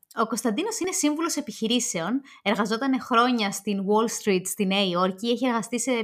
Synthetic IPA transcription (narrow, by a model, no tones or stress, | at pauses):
o̞ko̞st̪ɐnd̪ino̞sine̞siɱvulo̞se̞piçiɾise̞o̞ne̞ɾɣɐzo̞t̪ɐnexɾo̞ɲɐst̪inwo̞lst̪ɾit̪st̪ineio̞ɾcie̞çie̞ɾɣɐst̪ise̞